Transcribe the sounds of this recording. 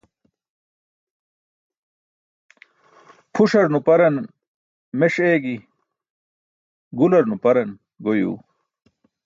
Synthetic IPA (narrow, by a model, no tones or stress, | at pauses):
pʰuʂɐɾnupɐɾɐn | meʂeːɡi | ɡulɐɾnupɐɾɐn | ɡojṵː